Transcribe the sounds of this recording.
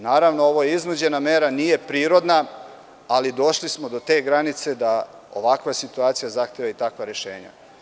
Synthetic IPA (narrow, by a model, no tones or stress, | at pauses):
naːɾaʋnoo̞ʋo̞jeiznod͡ʑe̞name̞ːɾanije̞pɾiːɾo̞d̪na | alid̪o̞ʃlismod̪o̞t̪e̞ːɡɾanit̪se̞d̪a | o̰ʋakʋasit̪uaːt̪sijazaxt̪jeʋait̪akʋaɾe̞ʃe̞̰ːɲa̰